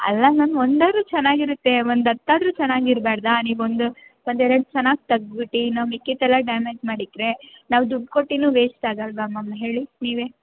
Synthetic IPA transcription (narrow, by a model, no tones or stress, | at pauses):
ɐ̰lːɐnaːnond̪aːɾuːt͡ʃɛnːaːɡiɾut̪ːe̞ond̪ɐt̪ːaːd̪ɾuːt͡ʃɛnːaːɡiɾbaːɽd̪aniːʋond̪uond̪ɛɾɐɽut͡ʃɛnːaːɡ̚t̪ɐɡbiʈːinaːʋikːit̪ɛlːɐɖamed͡ʒmaːɽik̪ːɾe̞ | naːʋd̪uɖkoʈːinuːʋeːt͡ʃt̪aːɡɐlʋɐmːɐmːɐɦe̞ːɭiniːʋeː